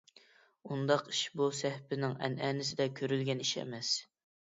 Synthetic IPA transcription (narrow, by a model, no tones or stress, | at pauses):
und̪ɑqiʃbusɛhpɪnɪŋɛ̰nɛːnɪsɪd̪ɛkʲʰøɾylɡʲɛniʃɛ̰mɛs